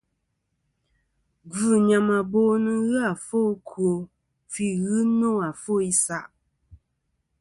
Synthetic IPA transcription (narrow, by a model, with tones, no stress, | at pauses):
ɡu˨ɲa˨ma˨bo˦nɨ˦ɣɨ˦a˨fo˦kʰo˨ | fi˦ɣɨ˦no˦a˨fo˦i˦sa˦ʔ